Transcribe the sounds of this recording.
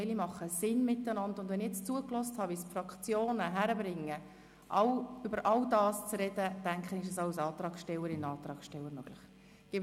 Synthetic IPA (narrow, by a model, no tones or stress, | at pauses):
ɪlimɑχəsɪnmɪtːənɑndʊndʋɛnɪjɛt͡st͡suːəklɔsthɑːʋisfrɑkʰt͡sjoːnəɦæɾəbɾɪŋːə | ʔɑwybəɾʔɑwdɑːst͡srɛd̥əd̥æŋkχənɪʃ̬ɛsɑʊsɑːt̪rɑːkʃtɛləɾɪnɑːt̪ɾɑːksʃtɛləɾmøɡ̥lɪχ | ɡ̥ɪ